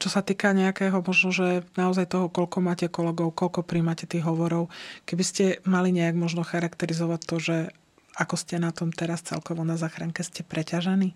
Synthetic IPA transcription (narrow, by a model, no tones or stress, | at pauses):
t͡ʃɔsat̪iːkaɲɛakɛːɦɔmɔʒnɔʒɛnaɔzajt̪ɔɦɔkɔʎkɔmaːcɛkɔlɛɡɔʊkɔʎkɔpɾimaːcɛt̪iːɣɦɔʋɔɾɔʊkɛbiscɛmaliɲɛaɡmɔʒnɔxaɾakt̪ɛɾizɔʋac̚t̪ːɔʒɛ | akɔscɛnat̪ɔmt̪ɛɾast͡sɛ̰lkɔʋɔnazaːxɾaŋkɛscɛpɾɛcaʒɛniː